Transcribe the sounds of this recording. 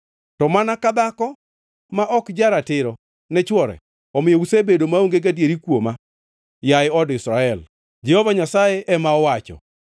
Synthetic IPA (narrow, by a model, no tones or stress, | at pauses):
tɔmanakad̪akɔ | maʔɔkd͡ʒaɾatɪɾɔ | nɛt͡ʃwɔɾɛ̰ | ɔmɪjousebedomaoŋɡeɡadjeɾikwoma | jaɪɔdɪsɾaɛl | d͡ʒɛhovaɲasajɛʔɛmaɔwat͡ʃɔ̰